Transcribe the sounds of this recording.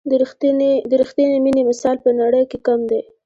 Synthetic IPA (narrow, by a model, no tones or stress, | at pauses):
d̪əɾixt̪janeminemɪsɑlpənaɽəjkekamd̪e